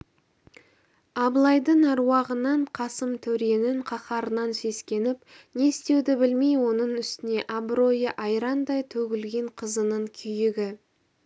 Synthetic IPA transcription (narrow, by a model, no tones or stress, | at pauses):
ɑblˠɑjd̪əɴɑɾwɑʁənɑɴqʰɑsəmt̪ʰɵɾe̞nɪɴqʰɑqɑɾənɑnse̞skʲe̞nɪp | ne̞ɪst̪e̞wd̪ɪbɪlmejwo̞nəɴʏst̪ɪne̞ʔɑbɾo̞jəʔɑjɾɑnd̪ɑjt̪ʰɵɡʲɪlɡʲe̞ɴqʰəzənəɴkʲʰʏjɪɡʲɪ